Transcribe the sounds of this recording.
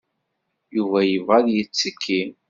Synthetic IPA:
juvæjəvʁaðjət͡sːəkʰːin

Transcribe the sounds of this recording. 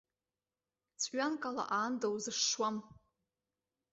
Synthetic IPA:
t͡sʰʼɥankʼala̰ʔaːndawzɨʂːwam

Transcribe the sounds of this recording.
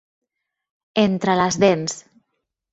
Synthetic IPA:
ent̪ɾələzðens

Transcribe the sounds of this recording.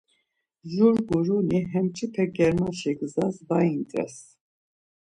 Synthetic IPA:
ʒuɾɡuɾuniɦɛmt͡ʃʰʼipʰɛɡɛɾmanʃɛɡəzazbaint̪ʼɾɛ̰s

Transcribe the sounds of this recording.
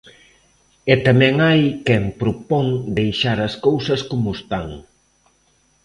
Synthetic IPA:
ɛt̪amɛ̃ŋajkɛmpɾopɔŋd̪ejʃaɾɐskowsɐskomʊst̪aŋ

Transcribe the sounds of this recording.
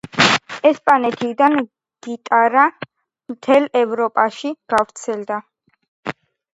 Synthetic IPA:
ɛspʼanɛt̪ʰid̪an | ɡ̥it̪ʼaɾa | mt̪ʰɛlɛvɾɔpʼaʃiɡ̥avɾt̪sʰɛld̪a

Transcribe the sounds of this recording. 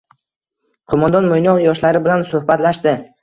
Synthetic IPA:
qʰomand̪ɒnmojnɒqjɒʃlaɾɪbɪlansɵhbat̪laʃd̪ɪ

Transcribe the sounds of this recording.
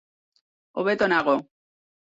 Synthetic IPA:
oβet̪onaɣo

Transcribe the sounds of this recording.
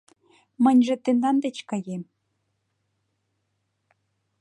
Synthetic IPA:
mə̆nʲʒĕt̪end̪ɑnd̪et͡ɕkɑjem

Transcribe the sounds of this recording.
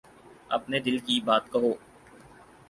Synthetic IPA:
ɐ̰pned̪ɪlkibaːt̪̚kɐɦoː

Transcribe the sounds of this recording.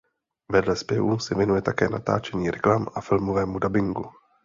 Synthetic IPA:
vɛdlɛspjɛvusɛvjɛnujɛt̪akɛ̰ːnat̪a̰ːt͡ʃɛɲiːɾʔɛklamʔafɪlmovɛːmudabɪŋɡu

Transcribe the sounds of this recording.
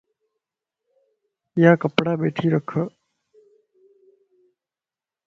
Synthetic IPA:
ɪjãːkəpɽaːɓeːʈʰiːɾəkʰə

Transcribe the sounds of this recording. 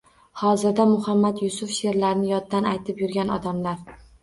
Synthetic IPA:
hɒzɪɾd̪amʊhamːat̪jʊsʊfʃe̞ɾlaɾnɪjɒd̪ːanajt̪ʰɪpjʊɾɡʲanɒd̪amlaɾ

